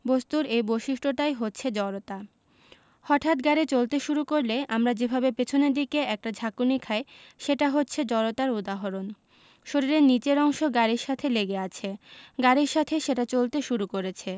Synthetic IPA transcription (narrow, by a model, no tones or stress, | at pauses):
bost̪uɾejboʃiʃʈʰoʈajɦotːɕʰed͡ʑɔɾot̪a | hɔʈʰat̪ɡaɾet͡ɕolt̪eʃuɾukoɾleʔamɾad͡ʑebʱabepet͡ɕʰoneɾd̪ikeɛk̚ʈad͡ʑʱakunikʰaeʃeʈaɦotːɕʰed͡ʑɔɾot̪aɾud̪aɦoɾon | ʃoɾiɾenit͡ɕeɾɔŋʃoɡaɾiɾʃat̪ʰeleɡeat͡ɕʰeɡaɾiɾʃat̪ʰeʃeʈat͡ɕolt̪eʃuɾukoɾet͡ɕʰe